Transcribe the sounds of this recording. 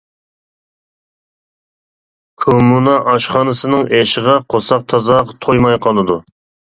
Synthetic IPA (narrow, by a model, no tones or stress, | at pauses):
kʰomunɑʔɑʃχɑːnɨsɨnɨŋʔeʃɪʁɑqʰosɑq̚t̪ʰɑzɑʁɑt̪ʰojmɑjqʰɑlˠɨd̪u